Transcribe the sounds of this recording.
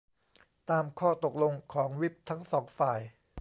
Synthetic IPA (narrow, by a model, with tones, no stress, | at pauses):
t̪aː˧mkʰɔː˥˩t̪o˨˩k̚lo˧ŋkʰɔː˩˦ŋwi˦˥p̚t̪ʰa˦˥ŋsɔː˩˦ŋfaː˨˩j